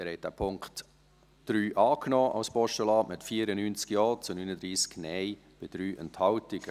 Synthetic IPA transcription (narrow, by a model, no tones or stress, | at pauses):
ɪɾhɛɪt̚d̥æ̰ːpʰʊŋkt | d̥ɾyːʔɑːknɔːʔa̰wspɔʃtəlɑːmɪtfiəɾənynt͡skjɔːt͡sunyːnəd̪ɾiːsknɛɪ | b̥ɪd̥ɾyːʔɛnthɑltɪɡ̥ə